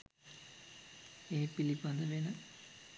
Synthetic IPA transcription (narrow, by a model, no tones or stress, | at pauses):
eːpilipad̪əʋenə